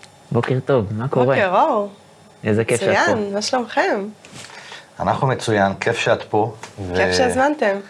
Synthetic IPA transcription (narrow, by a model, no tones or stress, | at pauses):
bo̞keʁt̪o̞vmakoʁeeʁo | ezekefʃaanmaʃlomχem | anaχnumet͡sujankʰefʃat̪povkeefʃeazmant̪em